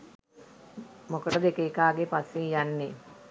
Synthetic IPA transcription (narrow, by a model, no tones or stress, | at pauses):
mokəʈəd̪ekeːkaːɡepasːijanːe